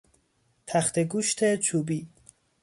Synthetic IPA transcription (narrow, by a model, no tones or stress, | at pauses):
t̪ʰæxt̪ʰeɡuːʃt̪ʰet͡ʃʰuːbiː